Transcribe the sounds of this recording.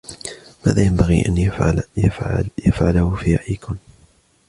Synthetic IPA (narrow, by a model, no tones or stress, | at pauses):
ma̰ːðaːjambaɣḭʔa̰najafʕalahʊfiːa̰ʔiːkʊn